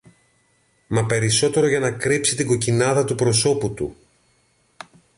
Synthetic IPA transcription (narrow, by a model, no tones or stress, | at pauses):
mɐpe̞ɾiso̞t̪e̞ɾo̞ʝɐnɐkɾipsit̪iɡo̞cinɐðɐt̪upɾo̞so̞put̪ṵ